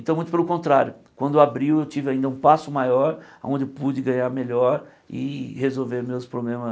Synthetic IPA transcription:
ẽt̪ɐ̃w̃mũt̪ʊpelʊkõnt̪ɾaɾjʊkwɐ̃nd̪ʊeʊabɾiwewt͡ʃivɪaĩd̪ɐũpasʊmajɔɾawõnd͡ʒɪewpud͡ʒɪɡɐ̃ɲaɾmeʎɔɾ | ɪ̰hezowveɾmewspɾoblẽmɐ

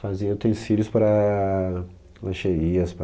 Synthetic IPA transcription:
fazĩewt̪ẽj̃silʲʊspɾɐ | lɐ̃ʃeɾiɐsp

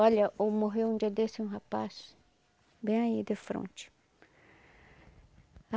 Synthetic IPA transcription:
ɔʎɐʔomoɦewũd͡ʒiɐd̪esɪũɦapas | bẽj̃aid̪efɾõ̰nt͡ʃɪ̥ | a

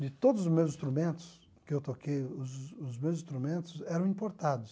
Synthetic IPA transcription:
d̪ɪt̪od̪ʊzʊmewzĩst̪ɾumẽnt̪ʊ̥s | kɪewt̪okejʊzʊzmewzĩst̪ɾumẽnt̪ʊsɛɾɐ̃ĩpoɾt̪ad̪ʊs

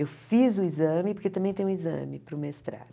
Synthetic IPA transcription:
ewfizʊizɐ̃mɪpoɾket̪ɐ̃mbẽj̃t̪ẽj̃izɐ̰̃mɪpɾʊmest̪ɾa̰

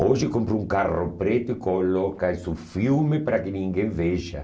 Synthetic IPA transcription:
oʒɪkompɾʊuŋkarʊpɾet̪ʊɪkolɔkasufjumɪpɾakɪnĩŋɡẽɱveʒa̰

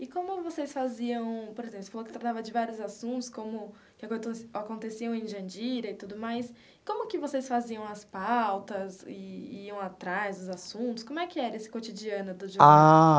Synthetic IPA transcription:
ɪkõmʊvosejsfaziɐ̃w̃poɾezẽpl̩ˠsefalokɪset̪ɾat̪avɐd͡ʒɪvaɾjʊzasũnt̪ʊ̥skõmʊ | kɪakõt̪sakõnt̪esiɐ̃w̃ẽʒɐ̃d͡ʒiɾɐɪt̪ud̪ʊmajs | kõmʊkɪvosejsfaziɐ̃w̃ɐspawt̪ɐzɪ̰iɐ̃w̃at̪ɾajzd̪ʊzasũnt̪ʊskõmʊɛkɪɛɾɐesɪ̥kot͡ʃid͡ʒiɐ̃nʊd̪ʊʒoa

